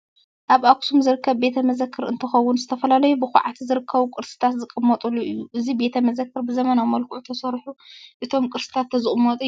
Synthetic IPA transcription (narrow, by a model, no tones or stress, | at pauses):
ʔaβʔaksumzɨɾɨkːɐβbe̞t̪ʰɐmɐzɐkʰːɨɾɨ̰nt̪ʰɐxɐwʊnzɨt̪ʰɐfɐlalɐjubɨxuʕat̪ʰzɨɾɨkʰːɐβukʼɨɾsɨ̥t̪ʰat̪zɨkʼɨmːɐt̪ʼulːuʔɨjːuʔɨzibe̞t̪ʰɐmɐzɐkʰːɨɾbɨzɐmɐnamɐlkʼuʕut̪ʰɐsɐɾħuʔɨt̪ʰo̞mkʼɨɾsɨ̥t̪ʰat̪ʰːɐzɨkʼɨmːɐt̪ʼɨ